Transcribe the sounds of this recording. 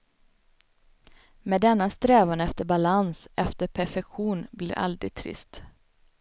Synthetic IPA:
mɛːd̪ɛnːast̪ɾɛːvanɛft̪əɾbalansʔɛft̪əɾpʰæɾfɛkɧuːnblɪːɾa̰ld̪ɾɪ̰ɡ̚t̪ʰɾɪ̰st̪

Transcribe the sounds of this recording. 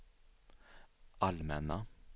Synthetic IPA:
ʔɑlmɛnɑ

